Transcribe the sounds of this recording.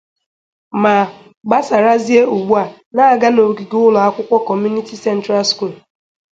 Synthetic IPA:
ma˨ | ɡ͡ba˦sa˨ɾa˦zi˦e˦u˨ɡ͡bu˦a˨ | na˦a˦˨ɡa˦no˨ɡi˨ɡʊ˦lɔ˨a˦kʷʊ˦kʷɔ˦kɔ˨m˦u˦ni˦ti˦sɛ˦n˦tɾa˦lsku˦˨l

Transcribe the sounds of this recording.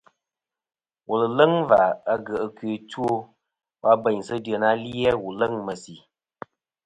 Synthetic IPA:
wʔu˨lə˨lə˦ŋva˨a˦ɡə˨ʔə˨kɥe˨tu˦o˦ | wa˦bə˨ɲsə˦də˨na˦li˦ɛ˦wu˨lə˦ŋmə˨si˨

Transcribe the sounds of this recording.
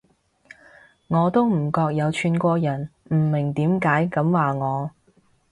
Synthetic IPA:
ŋɔː˨˧t̪o˥wm̩˨˩kɔː˧k̚jɐ˨˧wt͡ʃʰyː˨˧nkʷɔː˧jɐ˨˩nm̩˨˩mɪ˨˩ŋt̪iː˨˥mkaː˨˥jkɐ˨˥mwaː˨ŋɔː˨˧

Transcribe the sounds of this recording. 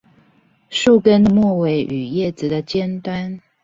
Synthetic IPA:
ʂu˥˩kə˦nmwɔ˥˨we˧˥ɪʔy˨˩jɛ˥˩t͡sɹ̩˨d̪ə˨t͡ɕjɛ˥nt̪wa˦˥n

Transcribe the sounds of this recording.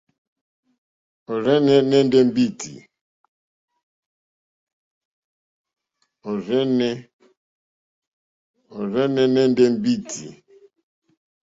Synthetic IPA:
o˨ɾe˦ne˦ne˦n̩˦de˦m̩˦bi˦tḭ˨ | o˨ɾe˦ne˦ | o˨ɾe˦ne˦ne˦n̩˦de˦m̩˦bi˦tʰḭ˨

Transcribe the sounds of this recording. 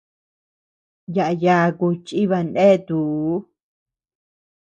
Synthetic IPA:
ja˨ʔa˧ja˧ku˧t͡ʃi˦βa˧nʔẽ˦t̪u˨˦

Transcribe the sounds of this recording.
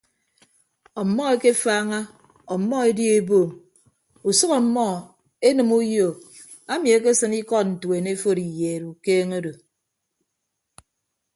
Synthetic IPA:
ɔ˨mːɔ˦e˦ke˦faː˦ŋa˦ | ɔ˨mːɔ˦e˦dji˦e˦boː˨m | u˨sʌ˦kɔ˨m˦mːɔ˦ | e˦nɨ˨mu˦jo˨ | a˦mi˨e˦k̬e˦sɨ˦ni˦kɔ˦tn̩˨twe˨ne˦fo˦˨ɾi˨jeː˨ɾu˨keː˦ŋo˦do˨

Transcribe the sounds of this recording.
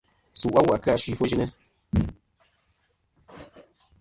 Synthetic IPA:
su˨ʔa˦wa˨ka˦˨ʃi˨fo˦ʒi˦nɛ˦

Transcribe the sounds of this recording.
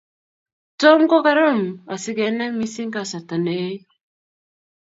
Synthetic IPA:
tɔ˦ŋ˦ko˦ka˦ɾɔ˦˨ma˨si˦ke˨˦nɛ˦ŋmi˦si˦ŋ˦ka˨sa˨ta˨ne˨˦

